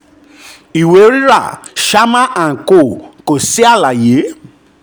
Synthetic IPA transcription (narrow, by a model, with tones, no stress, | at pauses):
i˨we˨˦ɾi˦ɾa˦˨ʃa˦mã˦ʔa˨ko˨ko˨si˦a˦˨la˨je˨˦